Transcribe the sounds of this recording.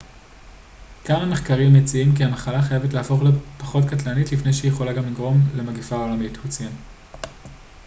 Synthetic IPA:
kaname̞χkaʁimjet͡siimkiamaχalaχajavetlehafo̞χlepaχo̞tkatlanitlifne̞jʃejeχo̞laɡamliɡʁo̞mle̞maɡifaolamithut͡sem

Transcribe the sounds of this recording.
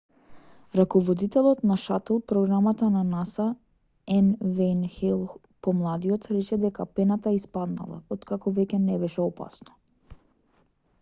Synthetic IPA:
ɾakɔvɔd̪it̪ɛlˠɔt̪naʃat̪ɛlˠpɾɔɡɾamat̪ananasa | ɛnvɛjnxɛlˠ | pɔmlˠad̪iɔt̪ɾɛt͡ʃɛd̪ɛkapɛnat̪aispad̪na̰lˠa̰ɔt̪kakɔvɛcʲɛnɛbɛʃɛɔpa̰snɔ̥

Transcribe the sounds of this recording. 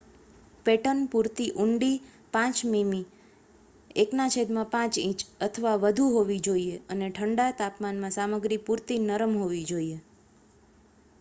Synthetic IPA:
peʈənpuɾt̪iʔuɳɖi | pãt͡ʃmimi | eknat͡ʃʰed̪mãpãt͡ʃĩt͡ʃət̪ʰəʋaʋəd̪ʱuɦoʋid͡ʒoieəneʈʰəɳɖat̪apmanmãsaməɡɾipuɾt̪inəɾəmɦoʋid͡ʒoie

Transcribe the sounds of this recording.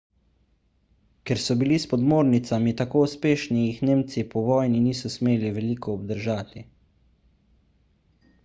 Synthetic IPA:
kɛɾsɔbilispɔd̪moːɾnit̪samit̪akoːuspeːʃniixneːmt̪sipɔʋɔːjniniːsɔsmeːliʋɛlikɔːb̚d̪əɾʒaːt̪i

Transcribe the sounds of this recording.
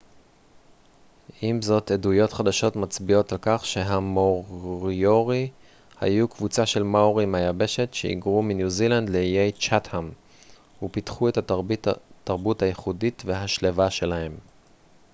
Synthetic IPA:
ʔimzo̞tedujo̞tχadaʃo̞tmat͡sbio̞talkaχʃe̞ɦamoʁʁjoʁi | ha̰jukvut͡saʃe̞lmauʁimajabe̞ʃe̞tʃeḭɡʁuminjuzilandleijejt͡ʃatham | hupitχue̞ta | tːaʁbuthajeχuditve̞ɦaʃlevaʃe̞lahe̞m

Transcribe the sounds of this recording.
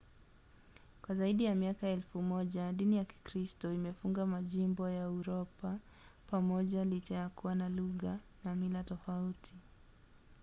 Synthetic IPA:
kwazaiɗijamiakaɛlfumɔʄaɗinijaki̥kɾistɔimɛfuŋɡamaʄimbɔjauɾɔpa | pamɔʄalit͡ʃajakuwanaluɣanamilatɔfautʰi

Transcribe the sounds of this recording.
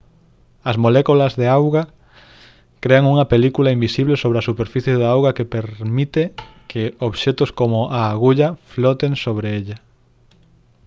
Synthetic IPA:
ɐzmolɛkulɐzðeawɣa | kɾeaŋuŋɐpelikulaimbisiβlesoβ̞ɾeasupeɾfiθjeðaawɣakepeɾmit̪ekɪoβʃet̪ʊskomʊʔaːɣuʎaflot̪eŋsoβɾeeʎa

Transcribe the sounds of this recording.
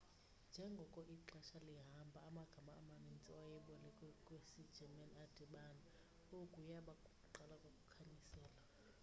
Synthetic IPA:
nd͡ʒʱɛŋɡʱɔkʼɔʔiǁaʃaliɦambʱaːmaɡ̥ʱamaːmamint͡sʼiwajɛɓɔlɛkʼkʼwesid̥ʒ̥ʱɛmɛnad̥ʱɛɓana | okʼujaɓakʼukʼuǃalakʼokʼukʰaɲisɛːla

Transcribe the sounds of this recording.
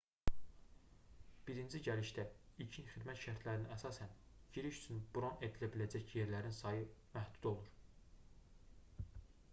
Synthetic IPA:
b̥iɾind͡ʒiɟæliʃd̪æilcʰinχid̪mæt̪ʃæɾt̪ʰlæɾininæsɑsænɟiɾiʃyt͡ʃʰynbuɾo̞ne̞d̪ilæbilæd͡ʒæcje̞ɾlæɾinsɑjɯmæhd̪̥u̥d̪o̞lˠuɾ

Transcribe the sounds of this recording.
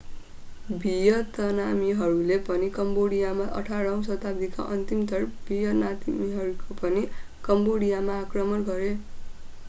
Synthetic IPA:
bʱijʌt̪ʌnamiɦʌɾulepʌnikʌmboɽijamaʔʌ̰ʈʰaɽaw̃sʌt̪ab̚d̪ika̰ʔʌ̰nt̪imt̪ʌrbʱijʌnat̪imiɦʌɾukopʌni | kʌmboɽijamaːkrʌmʌnɡʌɾe

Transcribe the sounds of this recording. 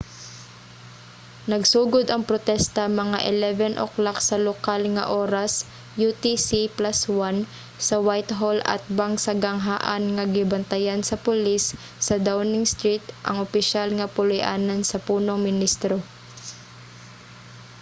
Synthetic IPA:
nɐɡsuːɡod̪ɐŋpɾot̪ɛst̪ɐmɐŋa̰ʔɪlɛvɛnʔo̰klaksɐlokalŋɐ̰ʔoːɾɐs | jut̪isiplaswan | sɐwajt̪ɦolɐ̰t̪̚baŋsɐɡɐŋɦaːʔa̰nŋɐɡɪbɐnt̪ɐjansɐpʊlisː | ɐd̪awnɪŋst̪ɾit̪ʔɐ̰ŋʊpɪʃalŋɐpʊlʊjʔaːnɐnsɐpuːnoŋmɪnist̪ɾo

